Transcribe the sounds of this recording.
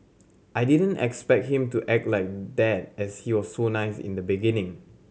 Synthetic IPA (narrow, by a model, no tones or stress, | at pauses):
ʔajdidə̃nɛ̰kspɛk̚t̚hĩmtuʔɛk̚tlajk̚dɛt̚ɛshiwɔsːonaɪsɪ̰̃ndəbiɡĩnɪ̃ŋ